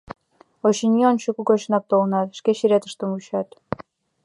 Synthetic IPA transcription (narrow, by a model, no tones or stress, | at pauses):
oɕinʲionɕukukot͡ɕnɑk̚t̪olə̆nɑt̪ʃkeɕiɾet̪ə̥ʃt̪ə̆muɕɑt̪